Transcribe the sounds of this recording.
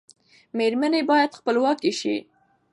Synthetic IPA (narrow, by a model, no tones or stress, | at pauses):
meɾmanebɑjad̪xpəlwɑkiʃḭ